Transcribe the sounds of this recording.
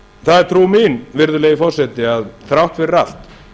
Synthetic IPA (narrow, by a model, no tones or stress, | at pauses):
θaðɛɾ̥t̪ʰɾuːminvɪɾðʏleːjɪfɔr̥sɛt̪ɪaðθɾawht̪vɪrral̥t̪